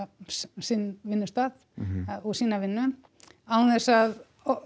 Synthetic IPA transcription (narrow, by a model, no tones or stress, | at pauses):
sɪnvɪnːʏst̪aːð | ɔɣsiːnavɪnːʏn | awnθɛsað